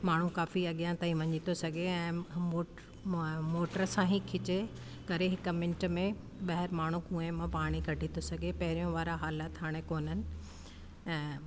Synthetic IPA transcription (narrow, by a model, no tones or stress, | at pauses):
maːɳ̤ukaːfiɐɠijãt̪aːĩʋɐɲit̪ʰosɐɡʱeɛ̃ːo | moːʈəɾəsãːɦikʰɪt͡ɕe | kɐɾeɦɪkəmɪ̃nʈəmẽ | ɓɐɦəɾmaːɳ̤ũkũːẽmãpaːɽ̃ikɐɖʱit̪ʰosɐɡʱepɐɦɪɾijõʋaːɾaɦaːlat̪ʰɦaːɽ̃ekoːn̤ənɪ̆ | ɛ̃ː